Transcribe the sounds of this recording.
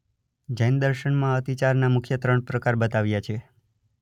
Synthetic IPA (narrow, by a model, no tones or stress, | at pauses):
d͡ʒajnd̪əɾʃəɳmãət̪it͡ʃaɾnamʊkʰjət̪ɾəɳpɾəkaɾbət̪aʋjat͡ʃʰe